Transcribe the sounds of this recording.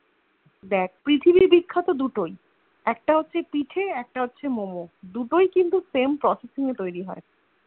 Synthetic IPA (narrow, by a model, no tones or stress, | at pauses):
d̪ɛk̚ʰpɾit̪ʰibibikʰːat̪od̪uʈoj | ɛk̚ʈaɦotːɕʰepiʈʰeɛk̚ʈaɦot̪ːɕʰemomod̪uʈojkint̪usempɾɔsesiŋet̪ojɾiɦɔe